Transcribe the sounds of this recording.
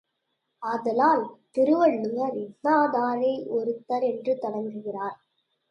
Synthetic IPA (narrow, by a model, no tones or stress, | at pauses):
ɐðɐlaːlt̪ɪɾɯʋɐɭːɯŋɐɾɪnːaːðaːɾeːʔɔɾɯt̪ːɐɾɛndrɯt̪ɐɽɐŋɡ̪ɯɣɪraːɾ